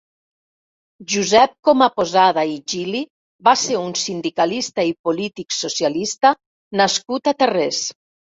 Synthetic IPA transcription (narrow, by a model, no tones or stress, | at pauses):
ʒuzɛp̚kɔmapozaðaiʒili | baseɾunsind̪ikalist̪aipolit̪iksosjalist̪a | naskut̪at̪eres